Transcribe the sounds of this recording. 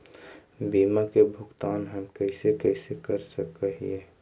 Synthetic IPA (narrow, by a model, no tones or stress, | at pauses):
biːmakebʱʊɡt̪aːnɦəmkɛːsekɛːsekɐɾsəkəɦḭeː